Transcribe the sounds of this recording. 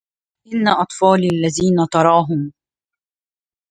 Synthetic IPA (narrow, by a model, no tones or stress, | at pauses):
ʔɪnːaʔɑt̪ˤfɑːlalːaðiːnat̪ɑɾˤɑːɦʊm